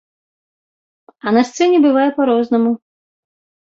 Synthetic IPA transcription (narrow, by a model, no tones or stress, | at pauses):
ɐnɐst̪sɛnʲɛbɨvajɛpaɾɔznɐmu